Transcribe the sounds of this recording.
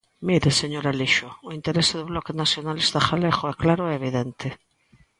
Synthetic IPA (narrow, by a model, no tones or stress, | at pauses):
miɾeseɲoɾaliʃʊʊint̪eɾesɪðʊβlɔkenasjonalest̪axaleɣʊɛklaɾʊɛeβ̞iðɛnt̪ɪ